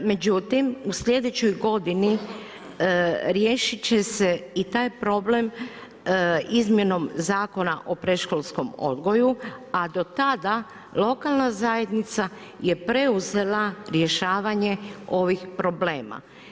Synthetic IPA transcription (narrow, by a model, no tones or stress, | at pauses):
me̞d͡ʑut̪imusʎʲe̞d̪et͡ɕo̞jɡo̞d̪ini | ɾje̞ʃit͡ɕeseit̪aːjpɾo̞ble̞m | izmjeno̞mzaːko̞naʔo̞pɾeʃkolˠsko̞mo̞̰d̪ɡo̞juad̪o̞t̪ad̪a | lˠo̞kalˠnazaje̞d̪nit̪sa | je̞pɾe̞uze̞laɾje̞ʃaːʋaɲe̞o̞ʋixpɾo̞ble̞ːma̰